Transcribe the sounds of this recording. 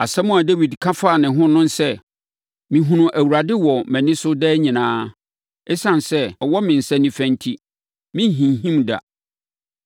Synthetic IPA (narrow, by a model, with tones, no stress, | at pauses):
a˨sɛ˦mʊ̃˦a˨de˦wi˨dkʰa˦faː˦˨nɪ̃˨ɦʊ̃˦nʊ̃˦n˦sɛ˦˨ | mĩ˨ɦũ˦nʊ̃˨ʔæ˨wu˨ɾa˨dɪ˦wɔ˨mæ̃˨nɪ̃˦sʊ˦dɛː˦ɲĩ˨nãː˦ | ɛ˦sã˨nsɛ˦ɔ˨wɔ˦mɪ̃˨n̩˨sɛ̃˦nĩ˨fæ̃˨ntʰi˦ | mɪ̃˦ɦĩ˨nɦĩ˦mda̰˨